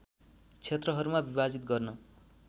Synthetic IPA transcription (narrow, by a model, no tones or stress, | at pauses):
t͡sʰet̪rʌɦʌɾumabibad͡zit̪̚ɡʌrnʌ